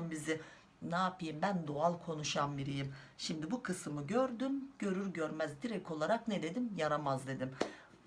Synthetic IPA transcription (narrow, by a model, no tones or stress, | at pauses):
mbizɪ | naːpʰɯjimbænd̪oalˠkʰo̞nuʃambiɾijimʃimd̪ibukʰɯsɯmɯɟøɾd̪ymɟ̥ø̞ɾyɾɟøɾmæzd̪iɾɛcʰo̞lˠaɾaknɛd̪e̞d̪imjaɾamazd̪e̞d̪im